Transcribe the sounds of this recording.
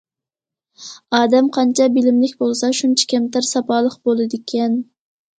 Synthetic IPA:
ɑːd̪ɛmqʰɑnt͡ʃʰɑbɪlɪmlɪkʲbolˠsɑʃunt͡ʃʰɛ̥kʲʰɛmt̪æɾsɑpɑːlˠəqbolˠɨd̪ɪkʲʰɛn

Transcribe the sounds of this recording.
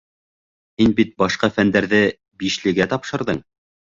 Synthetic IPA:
hinbit̪̚bɑʃqɑfænd̪æɾðɘ | biʃlɘ̆ɡæt̪ɑpʃɤ̆ɾðɤɴ

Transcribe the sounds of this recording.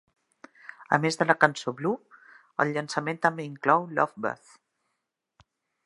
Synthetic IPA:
ə̰mezðələkənsoβlu | ə̰lʎənsəment̪əmbeiŋklɔwlɔ̰fbə̰θ

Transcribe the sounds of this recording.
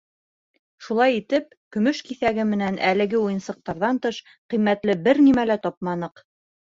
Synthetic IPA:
ʃulˠɑjit̪ɘp̚kɵ̆mɵʃkiθæɡɘmɘ̆nænʔælɘ̆ɡɘujɤ̆nsɤ̆q̚t̪ɑɾðɑnt̪ɤʃ | qimːæt̪lɘbɘɾnimælæt̪ɒp̚mɑnɤq

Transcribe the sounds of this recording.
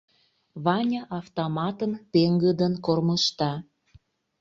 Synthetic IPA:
βɑnʲəʔɑft̪omɑt̪ənt̪eŋɡəd̪ənkorməʃt̪ɑ

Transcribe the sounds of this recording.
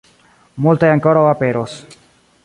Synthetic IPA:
mult̪ajaŋkoɾoβapeɾos

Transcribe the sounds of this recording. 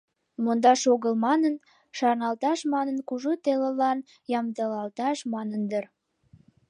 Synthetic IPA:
mond̪ɑʃoɣəlmɑnən | ʃɑrnɑlt̪ɑʃmɑnənkuʒot̪eləlɑn | jɑmd̪əlɑlt̪ɑʃmɑnənd̪ər

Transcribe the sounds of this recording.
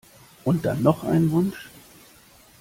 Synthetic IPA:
ʔʊnt̚d̥a̰nːɔχʔa̰ɪnənvʊnʃ

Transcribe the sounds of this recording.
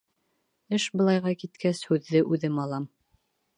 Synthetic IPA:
ɘʃbɤ̆lˠɑjʁɑkit̪kʰæshʉðːɘʔʉðɘmɑlˠɑm

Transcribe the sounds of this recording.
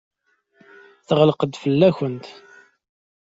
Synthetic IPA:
θəʁələqəd̪fəlːæçənt̪

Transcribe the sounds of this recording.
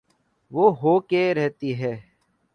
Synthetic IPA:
ʋoːɦoːkeːɾɛɦt̪iːɦɛː

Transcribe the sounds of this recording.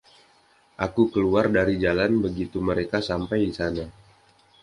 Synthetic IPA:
ʔakukəluardaɾid͡ʒalanbəɡit̪uməɾekasampajdisana

